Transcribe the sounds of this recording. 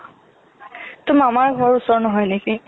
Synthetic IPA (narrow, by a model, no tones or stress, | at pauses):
tʊmamaɹɡʱɔɹusɔɹnɔɦɔjneki